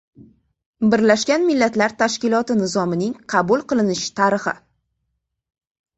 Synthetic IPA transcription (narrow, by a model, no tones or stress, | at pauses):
bɪɾlaʃkʲanmɪlːat̪laɾt̪ʰaʃkʲɪlˠɒt̪ɪnɪzɒmɪnɪŋqʰɑbulˠqɨlˠɪnɪʃɪ̥t̪ʰaɾɨχɪ̰